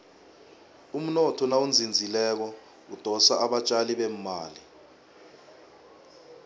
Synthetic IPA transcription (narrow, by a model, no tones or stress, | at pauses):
um̩nɔtʰɔnawund͡zʱind͡zʱilɛk̬ɔ | ud̥ʱɔsaʔaɓat͡ʃʼaliɓem̩maːli